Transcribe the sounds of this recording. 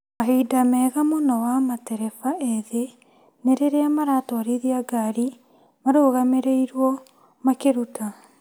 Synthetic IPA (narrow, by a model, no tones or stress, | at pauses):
maɦeidamɛːɣamonɔwamatɛɾɛfaɛðe | neɾeɾeamaɾatɔaɾiðiaɡaɾi | maɾoːɣameɾeiɾwɔ | makeɾutʰa